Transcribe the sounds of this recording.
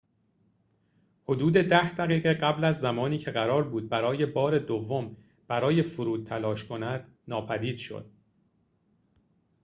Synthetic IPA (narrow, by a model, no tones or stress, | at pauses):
ho̞d̪uːd̪e̞d̪æhd̪æɣiːɣe̞ɢæblæzːæmɒːniːcʰe̞ɣæɾɒːɾbuːd̪̚bæɾɒːje̞bɒːɾe̞d̪ovːom | b̥æɾɒːje̞foɾuːd̪̚t̪ʰælɒːʃkʰo̞næd̪̥ | nɒːpʰæd̪iːd̪̥ʃo̰d̪̥̚